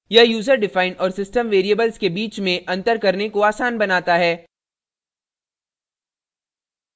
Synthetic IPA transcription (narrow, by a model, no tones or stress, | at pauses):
jɐjuːzəɾɖɪfaːɪnɔːɾsɪsʈəmʋeːɾiəbəlzkebiːt͡ʃmẽʔɐ̃nt̪əɾkɐɾnekoaːsaːnbɐnaːt̪aɦɛː